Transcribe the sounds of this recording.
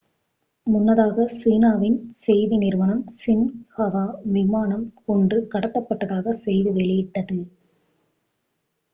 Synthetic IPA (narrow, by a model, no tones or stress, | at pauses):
mʊnːɐðaːɣɐsiːnaːʋɪnsɛjðɪnɪrʋɐnɐmsɪnhɐʋaːʋɪmaːnɐmkɔɳɖrɯkɐɽɐt̪ːɐpːɐʈːɐðaːɣɐsɛjðɯʋɛɭɪjɪʈːɐðɯ